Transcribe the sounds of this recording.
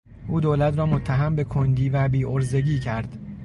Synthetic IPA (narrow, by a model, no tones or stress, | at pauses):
ʔuːd̪oːlæt̪ʰɾɒːmot̪ʰːæɦæmbe̞kʰond̪iːvæbiːʔoɾze̞ɟiːcʰæɾd̪̥